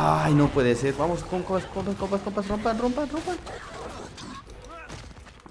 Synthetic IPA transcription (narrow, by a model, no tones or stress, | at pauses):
ajnopweðeseɾβamoskoŋkopaskompaskopaskopasrompanrompanrompan